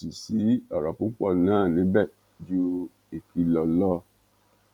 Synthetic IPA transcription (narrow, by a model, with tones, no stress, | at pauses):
si˨si˨˦ɔ˨ɾɔ˨pũ˨˦k͡pɔ˦˨nãː˦˨nĩ˨˦bɛ˦˨ | d͡ʒu˦ | i˨ki˧lɔ˧lɔ˦